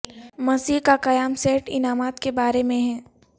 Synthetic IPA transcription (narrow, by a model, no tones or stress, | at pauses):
mɐsiːkaqɐjaːmseːʈɪnaːmaːt̪kebaːɾemẽɦɛː